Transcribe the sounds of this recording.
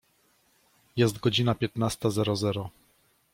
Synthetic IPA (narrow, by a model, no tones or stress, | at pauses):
jɛs̬t̪ɡɔd͡ʑinapʲjɛt̪nast̪azɛɾɔzɛɾɔ